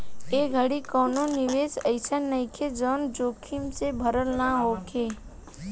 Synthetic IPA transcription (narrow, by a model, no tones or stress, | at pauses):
eːɡʱəɽikɔːnonɪʋeːsəɪsənəɪ̃kʰed͡ʒɔːnd͡ʒoːkʰimsebʱəɾəlnaɦoːkʰeː